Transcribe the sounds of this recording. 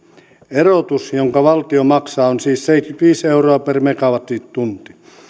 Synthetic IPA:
erot̪usjoŋkɑʋɑlt̪iomɑksɑːonsiːsseit̪kyt̪ʋiːseuroɑpermekɑʋɑt̪it̪t̪ːunt̪i̥

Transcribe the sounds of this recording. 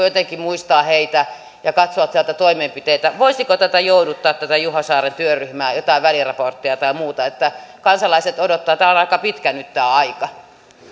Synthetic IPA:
jot̪eŋkimuist̪ɑːheit̪æ | jɑkɑt̪soɑt̪siælt̪æt̪oimempit̪eit̪æʋoisikot̪æt̪æjoudut̪ːɑːt̪t̪æt̪æjuhɑsɑːrent̪yøryhmæːjot̪ɑˑiʋʋælirɑport̪ːiɑt̪ɑimuːt̪ɑet̪ːækɑnsɑlɑiset̪odot̪ːɑːt̪æːonɑikɑpit̪kænyt̪t̪æːɑikɑ

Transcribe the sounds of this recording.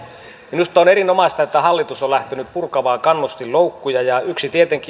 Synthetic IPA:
minust̪ɑoːneɾinomɑst̪ɑet̪ːæhɑlːit̪usolæht̪enyppurkɑʋɑːkɑnːust̪illoukːujɑjɑyksit̪iet̪eŋki

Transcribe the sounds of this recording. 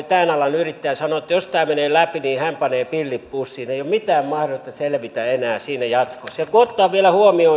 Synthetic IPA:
t̪æːnɑlɑnyrit̪ːæjɑsɑnoˑet̪ːjost̪æːmeneːlæpiniːhæmpɑneːpilːippusːiːneijommit̪æːmmɑhrot̪ːɑselʋit̪æenæːsiːnæjɑt̪koselkuot̪ːˑoɑːʋʋielæhuomio

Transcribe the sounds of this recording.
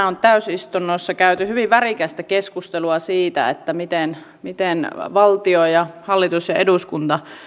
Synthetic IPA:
ont̪æysist̪unːosːɑkæyt̪yhyʋiʋʋærikæst̪ækeskust̪eluɑsiːt̪æ̰ḛt̪ːæmit̪en | mit̪enʋɑlt̪iojɑhɑlːit̪usjɑeduskunt̪ɑ

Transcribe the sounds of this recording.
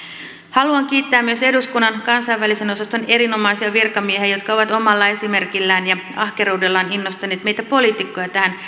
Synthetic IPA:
hɑluɑŋk̟iːt̪ːæːmːyø̞se̞duskunːɑnkɑnsɑjʋʋælise̞no̞sɑst̪o̞ne̞ɾino̞mɑisiɑʋirkɑmieɦeæjo̞t̪kɑo̞ʋɑt̪o̞mɑlːɑe̞sime̞rkilːæːnjɑɑhke̞ɾuude̞lːɑːninːost̪ɑneːt̪me̞jt̪æpo̞liːt̪ikːo̞jɑt̪æhæn

